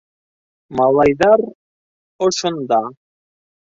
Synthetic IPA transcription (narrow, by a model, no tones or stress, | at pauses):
mɑlˠɑjðɑɾ | ŏʃŏnd̪ɑ